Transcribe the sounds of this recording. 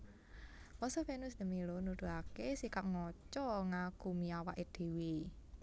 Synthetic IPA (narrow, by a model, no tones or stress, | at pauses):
wɔsɔfenʊsdə̤milonud̪̥ṳakesikaʔŋɔt͡ʃɔŋakumiawaʔed̪̥e̤we